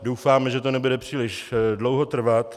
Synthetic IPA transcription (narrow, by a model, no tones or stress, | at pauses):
dowfaːmɛʒɛt̪onɛbudɛpr̝̥iːlɪʃdlo̞wɦo̞t̪r̩vat̪